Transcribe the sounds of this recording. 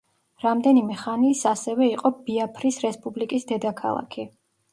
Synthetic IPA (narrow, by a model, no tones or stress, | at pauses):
ɾamd̪ɛnimɛχanisasɛvɛiqʼɔb̥iapʰɾisɾɛspʼublikʼisd̪ɛd̪akʰa̰lˠa̰kʰi